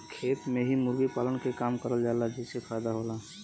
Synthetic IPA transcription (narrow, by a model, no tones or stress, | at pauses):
kʰeːt̪mẽɦimʊɾɡipaːlənkekaːmkəɾəld͡ʒaːelad͡ʒɛsepʰajd̪aɦola